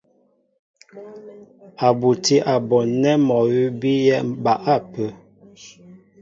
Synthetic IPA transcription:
a˨bu˨ti˦ʔa˨bɔ˨nɛ˦mɔ˨wi˦bi˦jɛ˦ba˨ʔa˦pə˨

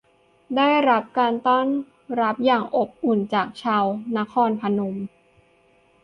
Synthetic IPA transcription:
daː˥˩jɾa˦˥p̚kaː˧nt̪ɔ˥˩n | ɾa˦˥p̚jaː˨˩ŋʔo˨˩p̚ʔu˨˩nt͡ɕaː˨˩k̚t͡ɕʰaː˧wna˦˥kʰɔː˧npʰa˧no˧m

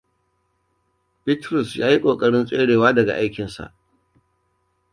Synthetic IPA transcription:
bɪ˦tɾʊ˨sjaː˦ji˦kʷʼoː˨kʼɐ˦ɽɪ˦nsʼeː˦ɽeː˨waː˦dɐ˨ɡa̰˨ʔa˦jkʲɪ˨nsa̰˨ʔ

